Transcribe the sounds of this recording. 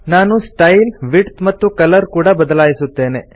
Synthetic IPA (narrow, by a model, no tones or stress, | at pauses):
naːnusʈɐjlʋiʈt̪mɐt̪ːukɐlɐɾkuːɽɐbɐd̪ɐlaːjisut̪ːe̞ːne̞